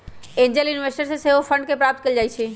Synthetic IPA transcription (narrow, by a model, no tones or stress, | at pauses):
ẽɲd͡ʒelɪnʋesʈəɾseseʋofʰə̃ɳɖ̚kepɾaːp̚t̪̚kəlid͡ʒaːijt͡ʃʰe